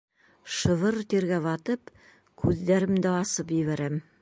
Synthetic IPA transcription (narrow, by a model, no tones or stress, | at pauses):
ʃɤ̆vɤɾt̪eɾɡæβɑt̪ɤp | kʰʉðd̪æɾɘmd̪ɘɑsɤpjɘ̆βæɾæm